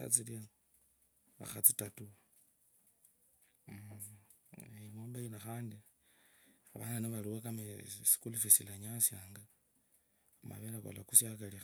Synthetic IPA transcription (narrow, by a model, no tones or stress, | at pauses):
a̰t͡silia | βa̰xat͡sitatu | emoːmbainaxaːndi | aβa̰naniβaliwakamesi̥kulufisilaɲasjaːŋɡa | ama̰βelako̰lakusjakalix